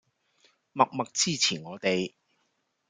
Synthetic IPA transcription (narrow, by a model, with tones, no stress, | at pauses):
mɐ˨k̚mɐ˨k̚t͡siː˥t͡sʰiː˨˩nŋɔː˨˧t̪e˨j